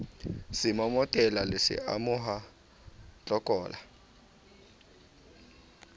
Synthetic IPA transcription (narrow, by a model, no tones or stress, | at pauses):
sɪmɔmɔtʼɛlalɪsɪ̰ʔa̰mʊɦa | t͡ɬʼɔkʼɔːla